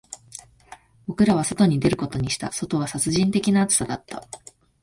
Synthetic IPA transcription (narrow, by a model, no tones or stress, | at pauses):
b̥o̞kɯ̟ɾaβ̞aso̞t̪o̞ɲ̟id̪e̞ɾɯ̟ko̞t̪o̞ɲ̟iɕi̥t̪a̰so̞t̪o̞βasat͡sɨʑĩnt̪e̞kʲinaːt͡sɨ̥sad̪at̪ːa